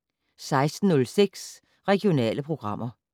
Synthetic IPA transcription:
sɑ̈ɪsd̥n̩ːɔ̽lseɡ̥s | ʁɛɡ̥ijo̝nɛ̰ːləpʰʁo̝ɡ̥ʁɑ̈m̰ɐ

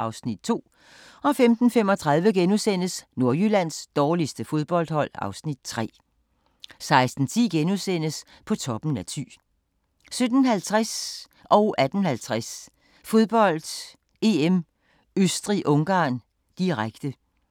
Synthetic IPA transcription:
ʔɑ̈ʊsnid̥̚t͡sʰo̝̰ː | ɒ̽femd̥n̩fem̰ɒ̽t͡sʰʁɑ̈ð̞ˠʋəɡ̥enusen̰əsno̝ɐjylæn̰sd̥ɒːlisd̥əfo̝ð̞ˠb̥ɒ̽ld̥hɒ̽l̰ɑ̈ʊsnid̥̚t͡sʰʁɛ̰ː | sɑ̈ɪsd̥n̩t͡sʰḭːɡ̥enusen̰əs | pʰɒ̽t͡sʰɒ̽b̥n̩æt͡sʰy̰ː | sød̥n̩ɦælt͡sʰʁas | ʔɒ̽ʊʔæd̥ən̩hælt͡sʰʁas | fo̝ð̞ˠb̥ɒ̽l̰d̥ | e̝em | øsd̥ʁiʔɔ̽ŋɡ̥ɑ̈ːn | d̥iʁaɡ̥d̥ə

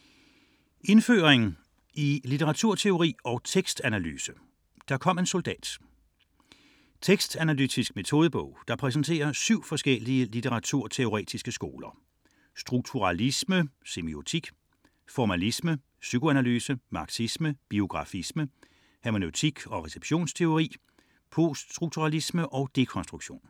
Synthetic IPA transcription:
e̝nfø̰ːʁeŋ̩ | ilit͡sʰeʁɑ̈t͡sʰuɐt͡sʰe̝o̝ʁḭːɒ̽ʊt͡sʰeɡ̥sd̥ænæly̰ːsə | d̥ɑ̈kʰɒ̽m̰e̝nso̝ld̥ɛ̰ːd̥ | t͡sʰeɡ̥sd̥ænælyd̥isɡ̥me̝t͡sʰo̝ːð̞ˠəb̥ɔ̰̽ʊ̰d̥ɑ̈pʰʁɛs̬n̩t͡sʰe̝̰ːɐsyʊ̰fɒ̽sɡ̥el̰iəlit͡sʰeʁɑ̈t͡sʰuɐ̰t͡sʰe̝o̝ʁɛ̰ːd̥isɡ̥əsɡ̥o̝̰ːlɐ | sd̥ʁuɡ̥̚t͡sʰuʁɑlisməse̝mio̝t͡sʰiɡ̥ | fɒmælismə | sykʰo̝ænælyːsəmɑ̈ɡ̥sisməb̥io̝ɡ̥ʁɑ̈fismə | hæmo̝nøʊt͡sʰiɡ̥ɒ̽ʁɛseb̥ɕo̝̰ːnst͡sʰe̝o̝ʁḭː | pʰo̝sʁuɡ̥̚t͡sʰuʁɑ̈lisməʔɒ̽d̥e̝kʰɒ̽nsd̥ʁuɡ̥ɕo̝̰ːn

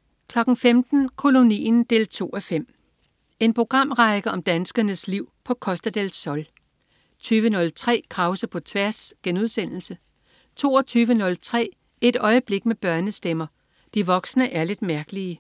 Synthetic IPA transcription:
kʰlɒ̽ɡ̥n̩femd̥n̩kʰo̝lo̝nḭːnd̥e̝̰ːlt͡sʰo̝̰ːɒfem̰ | e̝npʰʁo̝ɡ̥ʁɑ̈m̰ʁɑ̈ɪɡ̥ɐɒ̽md̥ænsɡ̥ɐnəsliʊ̰pʰɒ̽kʰɒ̽sd̥æd̥elsɒ̽l | t͡sʰyːʋənɔ̽lt͡sʰʁɛ̰ːkʰʁɑ̈ʊsɐpʰɒ̽t͡sʰʋæɐsɡ̥enuðˠsen̰l̩sə | t͡sʰo̝̰ːɒt͡sʰyːʋənɔ̽lt͡sʰʁɛ̰ː | e̝d̥ɒ̽ɪəb̥le̝ɡ̥meb̥ɶɐnəsd̥emɐ | d̥iʋɒ̽ɡ̥snəʔæɐle̝d̥mæɐɡ̥əliə

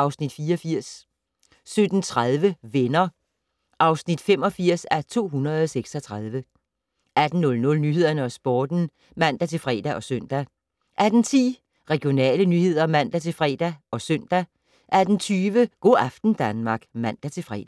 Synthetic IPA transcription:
ʔɑ̈ʊsnid̥fiːɒfiɐ̰s | sød̥n̩t͡sʰʁaðˠʋəʋenɐ | ʔɑ̈ʊsnid̥fem̰ɒ̽fiɐ̰sæɐt͡sʰo̝̰ːɦunɐðˠɒseɡ̥sɒt͡sʰʁɑð̞ˠʋə | æd̥n̩ːɔ̽lnɔ̽lnyɦe̝ð̞̰ˠɐnəɒsb̥ɒːd̥n̩ | mæn̰d̥æt͡sʰe̝lfʁɛ̰ːd̥æʔɒ̽søn̰d̥æ | ʔæd̥n̩t͡sʰḭː | ʁɛɡ̥jo̝nɛ̰ːlənyhe̝ð̞̰ˠɐmæn̰d̥æt͡sʰe̝lfʁɛ̰ːd̥æʔɒ̽sœn̰d̥æ | ʔæd̥n̩t͡sʰyːʋəɡ̥o̝̰ːɑfd̥n̩d̥ænmɑ̈ɡ̥mæn̰d̥æt͡sʰe̝lfʁɛ̰ːd̥æ

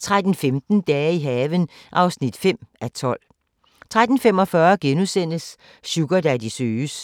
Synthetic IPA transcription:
t͡sʰʁad̥n̩femd̥n̩d̥ɛːiɦɛːʋən | ʔɑ̈ʊsnid̥fem̰æt͡sʰɒ̽l̰ | t͡sʰʁad̥n̩femɒ̽fɶɐɡ̥enusen̰əs | ɕuɡ̥ɐd̥æd̥isøːs

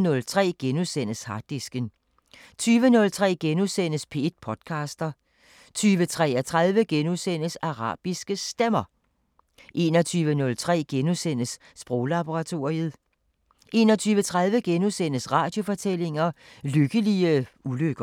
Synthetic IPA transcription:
nɔ̽lt͡sʰʁɛ̰ːɡ̥enusen̰əshɑ̈d̥esɡ̥ən | t͡sʰyːʋənɔ̽lt͡sʰʁɛ̰ːɡ̥enusen̰əspʰe̝ed̥̚pʰɒ̽d̥kʰɑ̈ːsd̥ɐ | t͡sʰyːʋət͡sʰʁɛ̰ɐt͡sʰʁað̞ˠʋəɡ̥enuðˠsen̰əsɑ̈ʁɑ̰̈ːb̥isɡ̥əsd̥emɐ | ʔe̝ːnɒt͡sʰyːʋənɔ̽lt͡sʰʁɛ̰ːɡ̥enusen̰əsːb̥ʁɔʊlɑ̈b̥oʁɑ̈t͡sʰo̝ɐ̰əð̩ˠ | ʔe̝nɒt͡sʰyːʋət͡sʰʁɑð̞ˠʋəɡ̥enusen̰əsʁɑ̈ːd̥jo̝fɒ̽t͡sʰele̝ŋɐløɡ̥əliəuløɡ̥ɐ

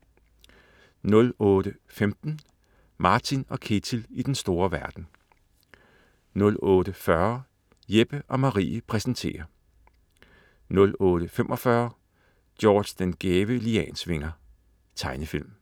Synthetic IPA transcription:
nɔ̽lɔ̽ːɾ̥ə | femd̥n̩ | mɑ̈ːt͡sʰinɒ̽kʰe̝t͡sʰilid̥ensd̥o̝ːɐʋæɐd̥n̩ | nɔ̽lɔːɾəfɶɐ | jeb̥əʔɒ̽mɑ̈ʁḭːpʰʁɛsn̩t͡sʰe̝̰ːɐ | nɔ̽lɔːɾ̥əfemʔɒ̽fɶɐ | d̥jɒ̰ːd̥d̥enɡ̥eːʋəliɛ̰ːnsʋe̝ŋɐ | t͡sʰɑ̈ɪnəfil̰m

